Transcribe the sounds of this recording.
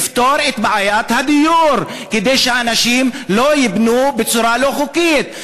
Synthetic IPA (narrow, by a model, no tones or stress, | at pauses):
ft̪o̞ɾet̪bʕajat̪had̪ijuɾ | ked̪ejʃeanaʃimlo̞jibnubet͡suɾalo̞χukit̪̚